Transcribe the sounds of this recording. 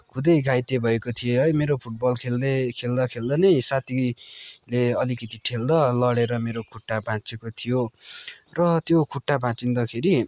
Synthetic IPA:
kʰud̪ʌjɡʱajt̪ebʱʌekot̪ʰijeɦʌjmeɾopʰuʈ̚bʌlkʰeld̪ekʰeld̪ʌkʰeld̪ʌnʌjsat̪ileʌlikʌt̪iʈʰeld̪ʌlʌɽeɾʌmeɾokʰuʈːabʱãt͡sekot̪ʰijo | rʌt̪jokʰuʈːabʱãt͡sind̪ʌkʰeɾi

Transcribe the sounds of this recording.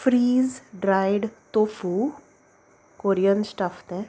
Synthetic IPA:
fɾiːzɖɾajɽt̪ofu | koɾijənsʈaft̪ɛ̃

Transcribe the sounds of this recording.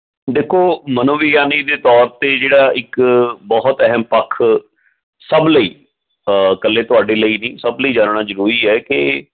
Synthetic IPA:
d̪eːkʰoːmənoːʋijaːniːd̪eːt̪ɔːɾt̪eːd͡ʒeːɽaːɪkbɔɦt̪ɛɦəmpəkʰː | səbləḭː | kəlːeːt̪ʊaːɖeːləiːnĩːsəbləiːd͡ʒaːnɳaːzəɾuːɾiːɛːkɪ

